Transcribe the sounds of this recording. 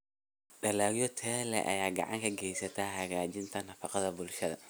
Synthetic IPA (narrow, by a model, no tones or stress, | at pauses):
ɖɐlaːɣjɔt̪ʰɛːlɛ̰ʔɐ̰jaːɡɑ̰ʕɑ̰ŋkʰɐɡɛjsɐt̪ʰaːɦɐɣaːt͡ʃɪnt̪ʰɐnɐfɑqɑðɐbʊlʃɐðɐ̰